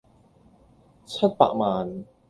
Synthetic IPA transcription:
t͡ɕʰɐ˥t̚pa̰ː˧k̚maː˧n

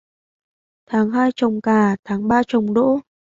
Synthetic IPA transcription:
t̪ʰaː˨˦ŋɦaː˧jt͡ɕə˨˩wŋ͡mkaː˨˩t̪ʰaː˨˦ŋɓaː˧t͡ɕə˨˩wŋ͡mɗo̰˧˥

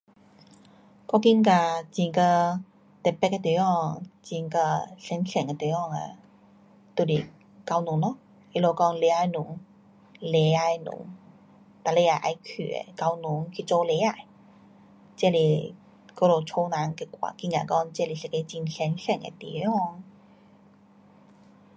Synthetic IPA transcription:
kɔ˥˧ki˧˥nka˧t͡ɕĩ˧˩ŋkə˧ | t̪ɛ˨˩pːɛ˥ke˧t̪i˨˦ɔ˥˧˩ŋt͡ɕi˧ŋkə˧ɬɛ˧˦nɬɛ˨˩ŋe˧t̪e˨˦ɔ˧˩ŋa̰˨˩ | t̪u˧˩li˨˩ | ka˧wnu˨˦ŋlɔ˧˦ | i˧˨lo˧˩kɔ˥˧ŋle˨˧a˧jnu˨˧˦ŋ | le˨˧˦a˧jnṵ˧˦ŋ | t̪a˨le˧a˧˩ʔa̰˧jkʰy̰˨˩ḛ˨ka˧wnu˨˦ŋkʰi˧t͡so˧le˨˧˦a˧˩˨j | t͡ɕɛ˥˧˨li˨˩ | ko˧˦lo˨˩t͡sʰo˧˦nã˨˦ŋke˧kwa̰˨˩ki˧˩ŋɡa̰˨˩kɔ˥˧ŋt͡ɕɛ˥˧li˨˩se˧˨˩ke˧t͡ɕi˧˩nɬɛ˧˦nɬɛ˨˩ŋḛ˧t̪ḭ˨˦ɔ˥˧ŋ

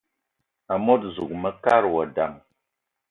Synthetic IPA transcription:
a˨mo˦tzu˨k̚mə˦ka˦ɾwɔ˨da˨ŋ

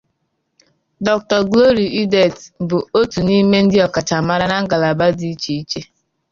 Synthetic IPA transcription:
dɔ˨k̚tɔ˨ɡlo˦ɾi˨i˦de˨tbʊ˨o˦tu˨ni˦me˦n̩˦dɪ˦ɔ˨ka˨ta˨ma˦ɾa˦na˦ŋ̩˦ɡa˨la˨ba˦di˦t͡ʃi˦i˦t͡ʃe˦

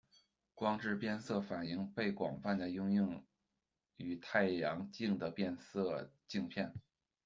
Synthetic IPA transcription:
kwɑ˥ŋʈ͡ʂɻ̩˥˧pjɛ˥˧nsɤ˥˩fa˨˩ni˥˧ŋpe˥˩ɪkwɑ̰˨˩ŋfa˥˩nd̪ə˩jʊ˥ŋjʊ˥˩ŋ | y˨˩t̪ʰa˥˩ɪjɑ˧˥ŋt͡ɕi˥˩ŋd̪ə˩pjɛ˥˧nsɤ˥˧t͡ɕi˥˧ŋpʰjɛ˥˩n

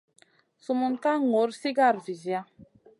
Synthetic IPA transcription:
su˨mu˨nta˦ŋo˨˦ɾsi˦ɡa˦˨ɾvi˨zja˦

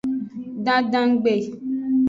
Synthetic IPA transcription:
dã˦dã˦ŋ̩˦ɡ͡be˨

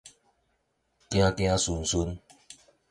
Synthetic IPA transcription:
kj̃ã˦kj̃ã˦su˧˩n˨su˦n

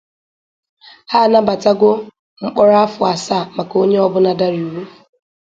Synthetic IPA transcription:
haː˦˨na˦ba˨ta˦ɡʷo˦ | ŋ͡m̩˦k͡pɔ˦ɾa˦a˦fʊ˨a˨sa˦˨ma˨ko˦ɲe˦ɔ˦bʊ˦na˨da˦ɾi˨u˨ɾu˦˨

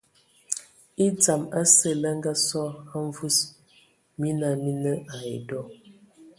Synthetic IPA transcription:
i˦d͡za˨ma˦sə˦˨la˦ŋ˦ɡa˦sɔ˦ha˦ɱ˦vu˦s | mi˦na˨mi˦nə˦a˨ḛ˨dɔ˦

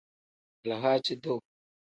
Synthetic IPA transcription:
la˨ɦa˦t͡ʃi˦do˦˨

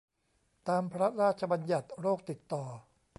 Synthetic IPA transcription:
t̪aː˧mpʰɾa˦˥ɾaː˥˩t̪̚t͡ɕʰa˧ba˧nja˨˩t̪̚ɾoː˥˩k̚t̪i˨˩t̪ːɔː˨˩

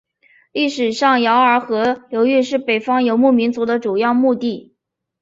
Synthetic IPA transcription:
li˥˩ʂɻ̩˨˩ʂɑ˥˩ŋjɑ˧˥ʊə˞˧˥xɤ˧˥ljo˧˥ʊy˥˧ʂɻ̩˥˩pe˨˩ɪfɑ˥ŋjo˧˥ʊmu˥˩mi˧˥nt͡su˧˥d̪ə˧ʈ͡ʂu˨˩jɑ˥˧ʊmu˥˧t̪i˥˩

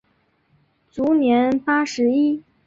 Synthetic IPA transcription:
t͡su˧˥njɛ˧˥npa˥ʂɻ̩˧˥i˥

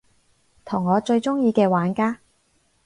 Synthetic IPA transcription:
t̪ʰʊ˨˩ŋːɔː˨˧t͡ʃɵ˧ɥt͡ʃʊ˥ŋjiː˧kɛː˧waː˨˥nkaː˥

